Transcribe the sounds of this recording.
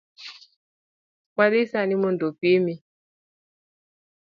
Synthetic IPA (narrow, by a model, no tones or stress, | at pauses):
kaɗisanimundopimi